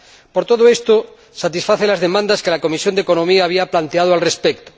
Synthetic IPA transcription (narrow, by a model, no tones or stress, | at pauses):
poɾt̪o̞ðoest̪o | sat̪isfaθelazðe̞mãnd̪askelako̞misjond̪eko̞nõmiaːβ̞iaplant̪eað̞oalrespekt̪o̥